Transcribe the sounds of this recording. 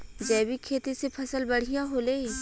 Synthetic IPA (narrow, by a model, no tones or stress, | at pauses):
d͡ʒɛːbikʰeːt̪isepʰɐsəlbɐɽ̤ijaɦoːleːi